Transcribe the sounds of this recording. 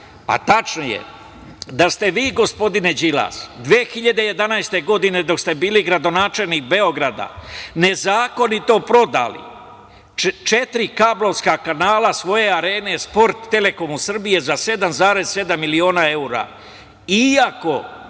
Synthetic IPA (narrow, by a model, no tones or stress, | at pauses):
a̰t̪at͡ʃnojḛ | d̪ast̪eʋiːɡo̞spo̞d̪ine̞d͡ʒila̰ːsd̪ʋeːxiʎad̪e̞je̞d̪anajst̪e̞ɡo̞d̪ine̞d̪o̞kst̪e̞biːliɡɾad̪o̞naːt͡ʃeʎlnik̚be̞o̞ɡɾad̪a̰ne̞zaːko̞nit̪o̞pɾo̞d̪a̰lḭ | t͡ʃe̞t̪ɾikablˠo̞ʋskakanaːlasʋo̞je̞aɾe̞ːnespo̞ɾt̪ːe̞le̞ko̞musr̩bije̞zase̞d̪amzaːɾe̞zse̞d̪amːilio̞ːnae̞uɾa̰ | iako̞